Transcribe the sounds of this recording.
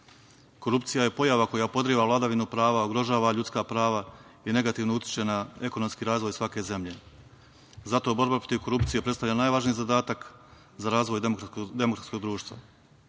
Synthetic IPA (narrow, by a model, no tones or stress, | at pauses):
ko̞ɾupt̪sijaje̞po̞jaʋako̞japo̞d̪ɾiʋalˠad̪aʋinupɾaːʋaoɡɾo̞ʒaːʋaʎut̪skapɾaːʋaine̞ɡat̪iʋnout̪ʲi̥t͡ʃe̞nae̞ko̞no̞mskiɾaːzʋo̞jsʋake̞ze̞mʎe̞ | zat̪o̞bo̞ɾbapɾo̞t̪iʋko̞ɾupt̪sijepɾest̪aʋlʎanaːjʋaʒnijizad̪aːt̪ak | zaɾaːzʋo̞jd̪e̞mokɾat̪sko̞ɡd̪ɾuːʃt̪ʋa̰